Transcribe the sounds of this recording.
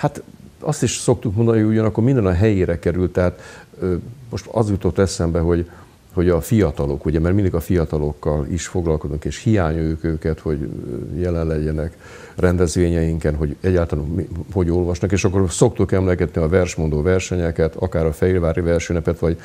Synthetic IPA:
hat̪ɒst̪iʃso̞k̚t̪ukmo̞nd̪ɒnhioiuɟɒnɒkːormind̪ɛnɒɦɛjeːɾɛkɛɾylt̪ːɛɦaːt̪ː | mo̞ʃt̪ɒ̰zjut̪o̞t̪ːɛsɛmbɛɦo̞ɟ | ho̞ɟɒfijɒt̪ɒlo̞kuɟɛmɛɾrmind̪iɡɒfijɒt̪ɒlo̞kːɒlḭʃfo̞ɡlɒlko̞zuŋkeːʃhijaːɲøːkøːkɛt̪ho̞ɟjɛlɛnlɛɟːɛnɛk | rɛnd̪ɛzʋeːɲɛjiŋkɛnɦo̞ɟɛɟːaːɾt̪almiho̞ɟo̞lvɒʃnɒkeːʃɒkːo̞rso̞kt̪ukɛmlɛɡɛt̪niɒvɛrʃmo̞nd̪oːvɛrʃɛɲɛkɛt̪ɒkaːɾɒfɛilvaːɾivɛrʃøːnɛpɛt̪ʋɒɟ

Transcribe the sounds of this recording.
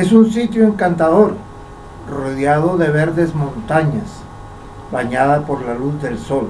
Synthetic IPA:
esuns̬it̪joeŋkant̪aðo̞ɾ | roðjaðo̞ðe̞βe̞ɾðe̞zmõ̞nt̪aɲas | baɲaðapo̞ɾlaluzðe̞lso̞l

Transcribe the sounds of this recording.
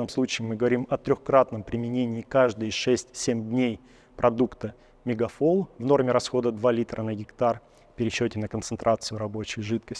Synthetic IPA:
əmslˠut͡ɕɪːmɨɡəvɐɾʲimɐt̪ɾʲoxkɾat̪nəmpɾʲɪmʲɪnʲenʲɪːkaʐd̪ɨjɪʂɛsʲtʲsʲemʲd̪ʲnʲej | pɾɐd̪ukt̪ə | mʲɪɡɐfolˠvno̞rmʲɪɾɐsxo̞d̪əd̪valʲit̪ɾənəɡʲɪkt̪ar | fpʲɪɾʲɪɕːɵtʲɪnəkənt̪sɨnt̪ɾʔat̪sɨjʊɾɐbo̞t͡ɕɪjʐɨt̪kəsʲ

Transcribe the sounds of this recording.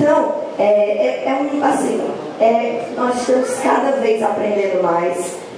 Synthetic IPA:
t̪ɐ̃w̃ | ɛɛɛũiasĩʊ | ɛnɔzɪʃt̪ɐ̃mʊskad̪ɐvejzapɾẽnd̪ẽnd̪ʊmajs

